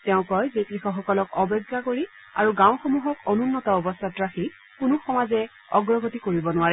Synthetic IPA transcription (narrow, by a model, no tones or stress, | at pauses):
tɛʊ̃kɔjzekɹixɔxɔkɔlɔkɔbɔɡːakoɹi | a̰ɹuɡãw̃xɔmuɦɔkɔnunːɔtaɔbɔst̪ʰatɹaxi | kunʊxɔmazɛ | ɔɡɹɔɡotikoɹibɔnʊwaɹɛ